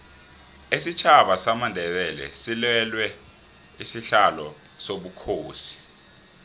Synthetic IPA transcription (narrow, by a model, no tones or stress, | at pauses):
isit͡ʃʰaɓasamandʱɛɓɛlɛ̰silɛlwɛ | isiɬalɔ | soɓukʰoːsi̥